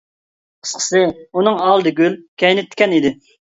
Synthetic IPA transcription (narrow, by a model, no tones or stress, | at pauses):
qʰə̥sqʰə̥sɨunɨŋɑlˠd̪ɨɡʲylkʲʰɛjnɪt̪ʰːɪ̥kʲɛnid̪ɪ